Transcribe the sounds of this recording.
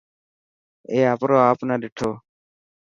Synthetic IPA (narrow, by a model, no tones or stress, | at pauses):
ɛapʊɾɔapʊnadiʈʰɔ